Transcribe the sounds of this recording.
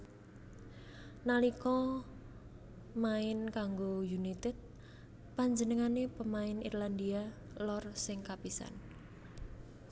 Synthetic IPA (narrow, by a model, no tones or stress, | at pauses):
nalikɔ | maɪnkaŋɡojunit̪ɛd̪̚ | paɲd͡ʒənəŋanepəmaɪnḭrland̪ia | lɔrsɪŋkapisa̰n